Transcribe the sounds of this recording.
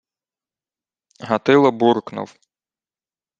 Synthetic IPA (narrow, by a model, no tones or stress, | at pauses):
ɦɐt̪ɪlˠɐbuɾknʊ̰w